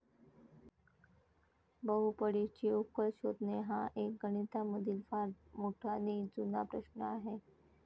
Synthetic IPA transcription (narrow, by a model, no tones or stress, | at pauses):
bəɦupəɽit͡ɕiːukəlɕod̪ʱneɦãʔek̚ɡənit̪aməd̪ʱiːlfaɾmoʈʰaniːd͡zuna̰pɾəɕnəaɦe